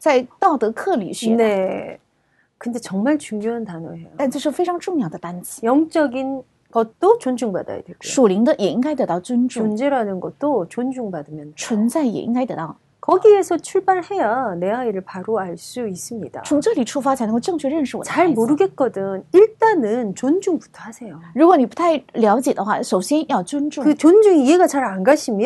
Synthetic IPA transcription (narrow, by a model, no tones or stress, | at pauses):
t͡saɪt̪ɑʊt̪ɤkʰɤlḭɕyne | kɯnde̞t͡ɕʌŋmaɭt͡ɕuŋɲjoɦantanoɦejot̪anʈ͡ʂʂɻ̩feɪʈ͡ʂʰɑŋʈ͡ʂʊŋjɑʊd̪əpant͡ɕi̥jʌŋt͡ɕ͈ʌɡin | ɡ̥ʌt̚t͈ot͡ɕond͡ʑuŋba̰da̰ja̰dweɡuʂuliŋd̪əjʔɛiŋkaɪt̪ɤt̪ɑʊt͡swənʈ͡ʂuond͡ʑeɾanɯnɡʌt̚t͈ot͡ɕond͡ʑuŋbadɯmjʌnt͡sʰwənt͡saɪjɛ̰ʔḭŋkaɪt̪ɤ̰t̪ɑʊ | kʌɡiesʰʌt͡ɕʰuɭbaɭhe̞janeaiɾɯɭpaɾoaɭs͈uis͈ɯmɲida̰t͡sʰʊŋʈ͡ʂɤliʈ͡ʂʰufat͡sʰaɪnəkoʈ͡ʂɤŋt͡ɕʰɥɛɻənʂɻ̩wɔ̰t͡ɕaɭmoɾɯɡet̚k͈ʌdɯŋiɭt͈anɯnt͡ɕond͡ʑuŋpu̥tʰoɦasʰejoɻukwɔniput̪ʰaɪljɑʊt͡ɕjɛd̪əxwa̰ʂoʊɕjɛnjɑʊt͡swənʈ͡ʂʊkɯt͡ɕond͡ʑuŋieɡat͡ɕaɾanɡaɕʰimj